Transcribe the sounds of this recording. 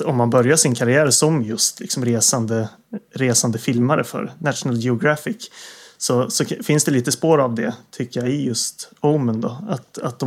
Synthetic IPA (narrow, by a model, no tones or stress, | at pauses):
ɔmːanbœɾjaʂɪnkʰaɾɪæːɾsɔmjɵst̪lɪ̰ksɔmɾeːsand̪ə | ɾeːsand̪əfɪlmaɾə̰fœ̰ɾnat̪ʂʊnəljɛɔɡɾafɪksɔsɔfɪnsd̪ɛliːt̪əspoːɾavd̪ɛt̪ʰʏkːəjaɪjɵst̪ɔʊmənd̪ɔat̪at̪̚d̪ɔ